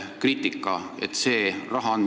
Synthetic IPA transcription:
kriːt̪ːikˑːɑḛt̪ːse̞ːrɑɦɑɑn

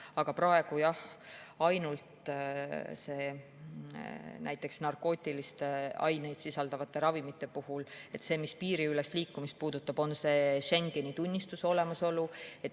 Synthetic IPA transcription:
ɑɡ̥ɑpɾɑe̞ɡ̥ujɑhɑjnult̪ | se̞ː | næ̰jt̪ːˑe̞ksnɑrko̞ːt̪ʲːˑilist̪eɑ̰jne̞jd̪̥sisɑld̪ɑvɑt̪ːˑe̞ɾɑvimit̪ːˑe̞puhule̞t̪se̞ːmispiːɾiylest̪liːkːumist̪̚puːd̪̥ut̪ːˑɑb̥o̞nse̞ːʃe̞ŋɡ̥e̞nit̪unʲːist̪uso̞le̞mɑso̞lue̞t̪

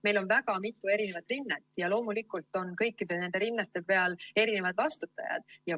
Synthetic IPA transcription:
me̞jlo̞nvæɡ̥ɑmit̪ːˑue̞ɾine̞vɑt̪ːˑrinːet̪ːˑjɑlo̞ːmulikːˑult̪ːˑo̞nkɤjkːid̪e̞ne̞nd̪e̞ɾinːet̪ːˑe̞pe̞ɑle̞ɾine̞vɑd̪vɑst̪ut̪ːˑɑ̰jɑ̰d̪̥jɑ

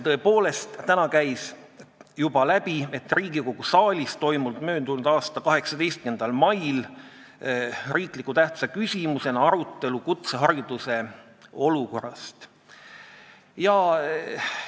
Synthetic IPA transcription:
t̪ɤ̞epo̞ːle̞st̪t̪ænɑkæjs | jubɑlæb̥ie̞t̪ːˑriːɡiko̞ɡ̥usɑːlʲist̪t̪ːo̞jmuld̪mø̞ːnd̪̥unud̪̥ɑːst̪ɑkɑɦe̞ksɑt̪e̞jst̪̚kend̪̥ɑlmɑjl | riːkˑlikːˑut̪æht̪sekysʲimuse̞nɑɾut̪ːe̞lukut̪seɦɑɾjud̪̥use̞ | o̞luko̞̰rːɑst̪ | jɑ

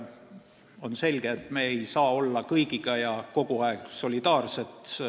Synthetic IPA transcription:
o̞nse̞lʲɡ̥eːt̪ˑme̞ːejsɑːo̞lːɑkɤjɡiɡ̥ɑjɑko̞ɡ̥uɑekso̞lʲid̪ɑːrse̞t̪

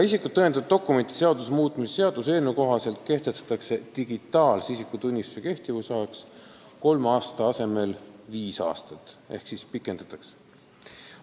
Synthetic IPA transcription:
ɑisikːud̪t̪ːɤend̪ɑd̪̚o̞kːˑume̞nt̪ˑi̥se̞ɑd̪usmuːt̪ˑmisse̞ɑd̪̥use̞ːlnuko̞ɦɑse̞lt̪̚ke̞ht̪est̪ɑ̥t̪ːˑɑkse̞t̪iɡ̥it̪ːˑɑːlsisikːut̪unʲːist̪use̞ke̞ht̪ivusɑeks | ko̞lmɑːst̪ɑɑse̞me̞lviːsɑ̰ːst̪ɑt̪ːe̞hksispikːˑe̞nd̪̥ɑt̪ːˑɑkse̥

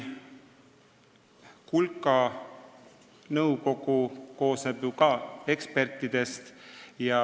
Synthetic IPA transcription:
kulkːˑɑ | nɤwko̞ɡ̥uko̞ːsnebjukɑe̞kspe̞rt̪ːˑid̪̥e̞st̪jɑ

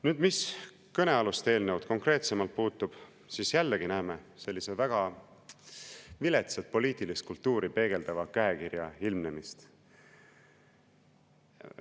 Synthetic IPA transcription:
nyːd̪̥mis | kɤne̞ɑlust̪e̞ːlnewd̪̚ko̞ŋkre̞ːt̪semɑlt̪̚puːt̪ːˑub̥ | sisjælːeɡ̥inæːme̞se̞lʲːisevæɡ̥ɑ | vile̞t̪set̪̚po̞liːt̪ˑilist̪̚kult̪ːuːɾipe̞ːɡ̥e̞ld̪̥ɑvɑkæekirjɑilmnemist̪

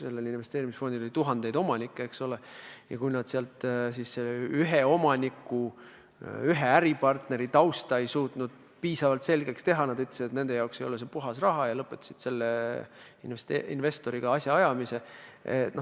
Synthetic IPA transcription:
se̞lːelinve̞st̪eːɾimisfo̞nd̪ilo̞lit̪uɦɑnd̪̥e̞jd̪o̞mɑnikːeeksolejɑ̰kujnɑd̪̥seɑlt̪sisseyɦeo̞mɑnʲikːˑu | yɦe̞æɾipɑrt̪ne̞ɾit̪ɑwst̪ɑe̞jsuːt̪nud̪̥̚ | piːsɑvɑlt̪se̞lɡe̞kst̪e̞ɦɑnɑd̪yt̪lesid̪et̪ne̞nd̪e̞jɑokse̞jo̞les̬epuɦɑsrɑɦɑjɑlɤpːˑet̪ːˑɑ̥sid̪̥se̞lːe | inest̪ḭnve̞st̪o̞ɾiɡ̥ɑɑsʲjɑɑjɑmise̞ḛt̪no

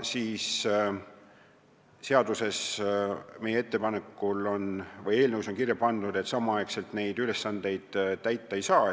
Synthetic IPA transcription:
siːs | se̞ɑd̪use̞s | me̞jee̞t̪ːe̞pɑne̞kːˑulo̞nvɤje̞ːlnəwuso̞nkirjɑpɑnd̪̥ud̪e̞t̪sɑmɑɑjkse̞lt̪ne̞jd̪̥yle̞sːɑnd̪e̞jd̪̥t̪ːæjt̪ːˑɑe̞jsɑː

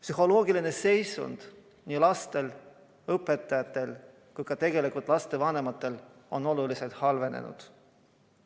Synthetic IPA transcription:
psyho̞lo̞ːɡiline̞se̞jsṵnd̪̥ | niːlɑst̪e̞l | ɤpːˑe̞t̪ːˑɑjɑt̪ːˑe̞l | kujkɑt̪e̞ɡe̞likult̪ˑlɑst̪e̞vɑne̞mɑt̪ːˑe̞lo̞no̞lulise̞lt̪hɑlve̞nḛnṵd̪̥

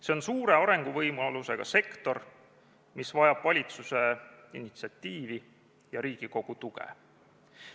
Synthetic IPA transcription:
se̞o̞nsuːɾe̞ɑɾe̞ŋɡ̥uvɤjmɑluse̞ɡ̥ɑ̰se̞kt̪o̞r | misvɑjɑb̥vɑlʲit̪suse̞inːit̪siɑt̪ʲːiːvi | jɑɾiːɡ̥iko̞ɡ̥ut̪uɡḛ

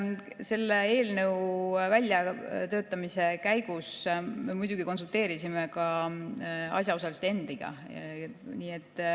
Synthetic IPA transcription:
se̞lːe̞e̞ːlnəwvælʲjɑt̪ø̞ːt̪ːˑɑmise̞kæjɡ̥usme̞mujd̪̥uɡ̥iko̞ns̬ult̪e̞ːɾisimekɑ | ɑ̰sjɑo̞sɑlist̪ee̞nd̪iɡ̥ɑ̰ | niːe̞t̪ːˑ

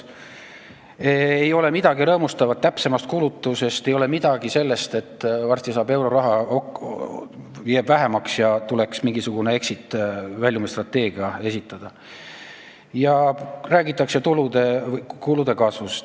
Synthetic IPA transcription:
eejo̞le̞mid̪̥ɑɡiɾɤːmust̪ɑvɑt̪̚t̪ːæpsemɑst̪̚kulut̪ːˑuse̞st̪e̞jo̞le̞mid̪̥ɑɡ̥ise̞lːe̞st̪e̞t̪ːˑvɑrst̪isɑːbe̞wɾo̞ɾɑɦɑo | jæːb̥væɦe̞mɑksjɑt̪ule̞ksmiŋɡ̥isuɡ̥une̞e̞ksit̪ːvælʲjumest̪rɑt̪ːˑe̞ːɡ̥iɑe̞sit̪ːˑɑd̪̥ɑ | jɑræːɡ̥it̪ːˑɑkse̞t̪ulud̪̥e̞vkulud̪̥e̞kɑːsvust̪

